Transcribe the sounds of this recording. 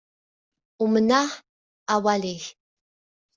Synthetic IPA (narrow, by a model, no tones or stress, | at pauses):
umənaħ | awalix